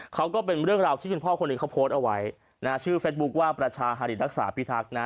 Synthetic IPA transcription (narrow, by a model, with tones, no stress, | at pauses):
kʰa˦˥wkɔː˥˩pe˧nɾɯ˥˩əŋɾaː˧wt̪ʰiː˥˩kʰu˧mpʰɔː˥˩kʰo˧nːɯː˧ŋkʰa˦˥wpʰoː˦˥t̪̚ʔa˧wa˦˥j | naː˦˥t͡ɕʰɯː˥˩feː˦˥t̪̚bu˦˥k̚waː˥˩pɾa˧t͡ɕʰaː˧ɦa˧ɾi˨˩t̪̚ɾa˦˥k̚sa̰ː˩˦pʰi˦˥˩t̪ʰa˦˥k̚na˦˥